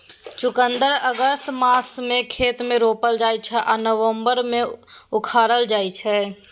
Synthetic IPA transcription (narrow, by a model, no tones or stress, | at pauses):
t͡ʃʊkənd̪əɾəɡəst̪maːsmẽkʰeːt̪mẽɾoːpəld͡ʒaːit͡ʃʰɛʔanəʋəmbəɾmẽʊkʰaːɾəld͡ʒaːit͡ʃʰɛ